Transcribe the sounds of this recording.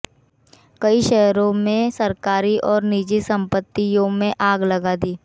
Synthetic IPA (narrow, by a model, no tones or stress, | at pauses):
kɐiʃɛːɾõmẽsɐɾkaːɾiʔɔːɾniːd͡ʒisɐ̃mpət̪ːiõmẽʔaːɡlɐɡad̪iː